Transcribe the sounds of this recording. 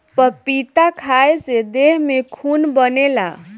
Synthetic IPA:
pəpit̪akʰaesed̪eɦmekʰunbənela̰

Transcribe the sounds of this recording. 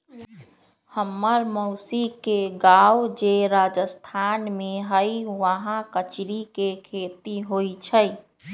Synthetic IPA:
həmːəɾməʊsikeɡawd͡ʒeɾad͡ʒəst̪ʰanmẽɦəjʋəɦãkət͡ʃɾikekʰeːt̪iɦoit͡ʃʰəj

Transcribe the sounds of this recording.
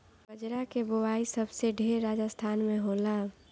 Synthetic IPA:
bəd͡ʒɾakebowaːisəbseɖʱeːɾːaːd͡ʒəst̪ʰaːnmẽɦola

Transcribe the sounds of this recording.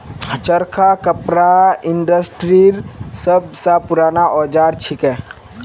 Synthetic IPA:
t͡ʃəɾkʰakəpɾaɪɳɖəsʈɾiɾsəbsapʊɾaːnaʔɔːd͡ʒaːɾt͡ʃʰɪkɛː

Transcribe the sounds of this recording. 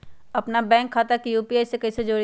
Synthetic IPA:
ɐpnabɛ̃ːŋkʰːaːt̪akijuːpiaːɪsekɐised͡ʒoː

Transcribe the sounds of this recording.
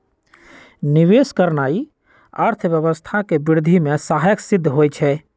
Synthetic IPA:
niʋeskəɾnai | ə̰ɾt̪ʰbjəβəst̪ʰakebiɾd̪ʱimẽsaɦjəksid̪ʱːɦojt͡ʃʰɛ

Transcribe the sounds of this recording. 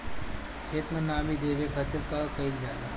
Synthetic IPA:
t͡ʃʰeːt̪mənaːmid̪eːʋekʰət̪iɾkakɐild͡ʒaːd̪a

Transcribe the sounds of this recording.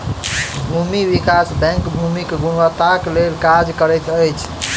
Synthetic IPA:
bʱumiwikasbɛ̃ŋkbʱumikɡunwət̪aklelkad͡ʒkəɾɛjt̪əjt͡ʃʰ

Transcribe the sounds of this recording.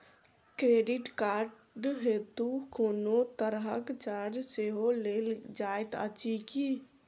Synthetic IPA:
kɾeɖiʈkaɾ | ɖɦet̪ukoːnot̪əɾɦəkt͡ʃaɾd͡ʒseɦoleld͡ʒaet̪ə̰t͡ʃiki

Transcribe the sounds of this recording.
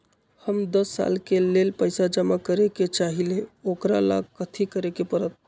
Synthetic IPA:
həmd̪əsːa̰lkelelpəjsad͡ʒəmakəɾeket͡ʃaɦileokɾala̰ɡ̚kət̪ʰikəɾekepəɾət̪̚

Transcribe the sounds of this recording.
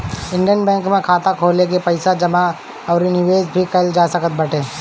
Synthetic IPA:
ɪ̃ɳɖijənbɛ̃ːŋkmẽkʰaːt̪akʰoːlek̬epɐɪsad͡ʒɐma | ɔːɾinɪʋeːd͡ʒbʱikɐld͡ʒaːsɐkət̪̚bɐʈeː

